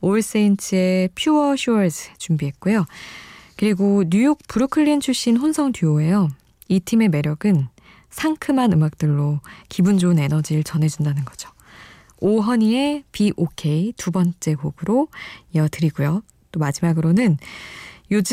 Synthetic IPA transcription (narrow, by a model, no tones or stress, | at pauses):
oɭs͈eint͡ɕʰɯe̞pʰjuʌɕʰuʌɭsʰɯt͡ɕumbiɦe̞t̚k͈ujo | kɯɾiɡoɲujok̚puɾukʰɯɭːint͡ɕʰuɕ͈inɸonsʰʌŋtuoe̞jʌ | itʰime̞me̞ɾjʌɡɯn | sʰaŋkʰɯmanɯmak̚t͈ɯɭːokibund͡ʑone̞nʌd͡ʑiɾɯɭt͡ɕʌnɦe̞d͡ʑundanɯnɡʌd͡ʑo̥ | oɦʌɲie̞piʔokʰe̞itubʌnt͡ɕ͈e̞kobɯɾoiʌdɯɾiɡujo | t͈omad͡ʑimaɡɯɾonɯn | jod͡ʑ